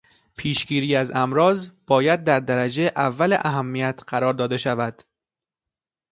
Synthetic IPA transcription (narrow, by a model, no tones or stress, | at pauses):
pʰiːʃɡiːɾiːæzæmɾɒːzb̥ɒːjæd̪̚ːæɾd̪æɾæd͡ʒeʔævːæleʔæɦæmːijæt̪ʰɢæɾɒːɾd̪ɒːd̪e̞ʃævæd̪̥